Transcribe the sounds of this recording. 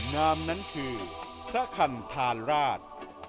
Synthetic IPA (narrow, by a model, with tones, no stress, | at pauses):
naː˦˥mna˦˥nkʰɯː˧ | pʰɾa˦˥kʰa˧nt̪ʰaː˧nɾaː˥˩t̪̚